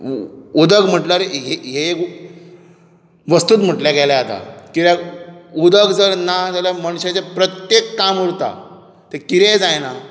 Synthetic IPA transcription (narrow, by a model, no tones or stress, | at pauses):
ud̪əɡm̤əʈlaɾeɦeɦeek | ʋəst̪uːt̪m̤əʈljaɡɛlaat̪a̰kiɾjaud̪əɡd͡zəɾnad͡zaljaməɽ̃ɕat͡sepɾət̪jekːamuɾt̪a̰ | t̪ekiɾed͡zajna